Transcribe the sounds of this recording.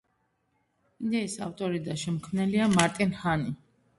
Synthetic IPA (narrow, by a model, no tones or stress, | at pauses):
id̪ɛisa̰ft̪ʼɔɾid̪aʃɛmkʰmnɛliamaɾt̪ʼinhani